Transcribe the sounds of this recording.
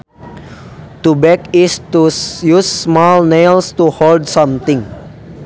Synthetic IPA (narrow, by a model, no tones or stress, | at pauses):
t̪ubɛkistujusːmɔlnelstuholdsɔ̃mt̪ĩŋ